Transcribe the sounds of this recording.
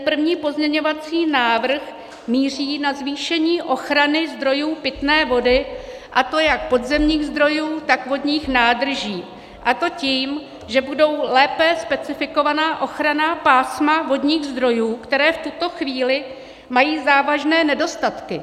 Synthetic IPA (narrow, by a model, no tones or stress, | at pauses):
pr̩vɲiːpo̞zɲɛɲo̞vat͡siːnaːvr̩x | miːriːnazviːʃɛɲiːʔo̞xɾanɪzd̪ɾo̞juːpɪt̪nɛːvo̞dɪ | ʔat̪o̞jak̚po̞dzɛmɲiːɣzd̪ɾo̞juːt̪akvodɲiːxnaːd̪r̩ʒiː | ʔat̪o̞ciːm | ʒɛbudo̞wlɛːpɛspɛt͡sɪfɪko̞vanaːʔo̞xɾanaːpaːsmavo̞dɲiːɣzd̪ɾo̞juːkt̪ɛɾɛːft̪ut̪o̞xviːlɪ | majiːzaːvaʒnɛːnɛdo̞st̪at̪kɪ